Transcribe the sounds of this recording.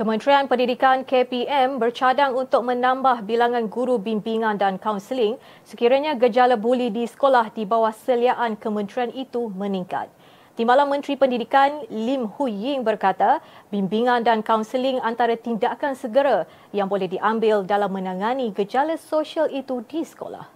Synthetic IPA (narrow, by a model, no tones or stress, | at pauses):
kəmə̃nt̪ɾianpəndidikankepiɛmbərt͡ʃadaŋunt̪ʊk̚mə̃nãmbahbilaŋãnɡuɾubimbiŋãndankawnsəlɪŋ | səkiɾaɲãɡəd͡ʒalabolidisə̥kolahdibawahsəliaʔankəmə̃nt̪ɾianit̪umə̃niŋka̰t̪̚ː | imbalanmə̃nt̪ɾipəndidikanlimhujɪŋbərkat̪abimbiŋãndankawnsəliŋant̪aɾat̪indakansəɡəɾa | jaŋbolɛhdiʔambɪldalamːə̃nãŋaniɡəd͡ʒalasoʃialit̪udisə̥ko̰la̰h